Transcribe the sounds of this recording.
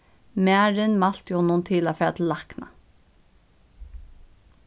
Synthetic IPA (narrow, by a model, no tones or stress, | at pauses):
mæːɾɪnmal̥t̪jhɔnːʊnt̪ʰɪlafɛat̪ʰɪlːakna̰